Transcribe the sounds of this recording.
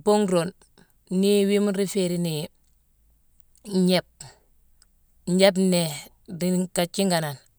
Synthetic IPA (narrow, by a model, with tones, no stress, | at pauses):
bo˦ŋɡɾo˨nː | i˦wi˦mu˦ɾi˦fe˦ɾi˦ni˨ | ɲe˦p̚ | ɲe˦b̬ne˨ | ɾika˨t͡ʃi˦ŋɡa˨na˨n